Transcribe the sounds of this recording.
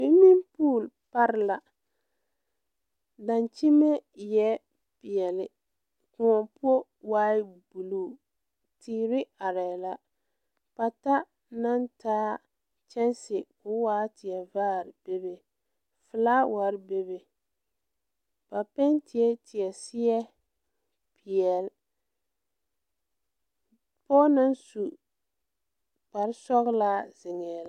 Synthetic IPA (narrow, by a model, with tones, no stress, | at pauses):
bɪ˦mi˦npuː˦˨l | pa˦ɾɪ˦la˨ | da˨nt͡ʃi˦me˦jɛ˦ | pɪ˨ɛ˨lɪ˨ | kʊ˨ŋɔ˨pʊ˦o˦ | waː˦ɪ˦bu˨luː˦˨ | tiː˨ɾɪ˦a˨ɾɛ˨la˦ | pa˨ta˦ | na˦ntaː˦ | t͡ʃɛ˦nsɪ˨kʊ˦waː˦tɪ˨ɛ˨vaː˦ɾb̥e˦be˨ | fɪ˨laː˦wa˨ɾbe˦be˨ | pa˨pɛ˦ntʰɪ˨ɛ˦tɪ˨ɛ˨sɪ˦ɛ˦ | pʰi˨ɛ˨l | pɔː˦na˦nsu˨ | pa˨ɾɪ˦sɔ˦ɣla˦zɪ˨ŋɛ˨la˦